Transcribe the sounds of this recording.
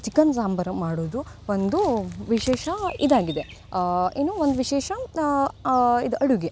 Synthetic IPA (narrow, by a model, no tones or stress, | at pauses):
t͡ʃikɐnsaːmbɐɾɐmaːɽoːd̪uond̪uʋiʃɛːʃɐid̪aːɡid̪e | eːnuʋond̪uʋiʃɛːʃɐ | id̪uʔɐɽuɡe